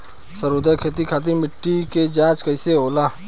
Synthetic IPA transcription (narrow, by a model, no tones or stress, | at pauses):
səɾʊd̪əjkʰeːt̪̬ikʰaːt̪̬ɪɾmɪʈːiked͡ʒãːt͡ʃkəɪseɦoːlaː